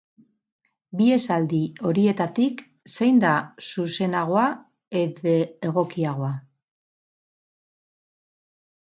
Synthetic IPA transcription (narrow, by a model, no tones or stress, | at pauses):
bie̞sald̪io̞ɾie̞t̪at̪ik | se̞jnd̪asuse̞naɣ̞o̞a | e̞ðeeɣ̞o̞kiaɣ̞o̞a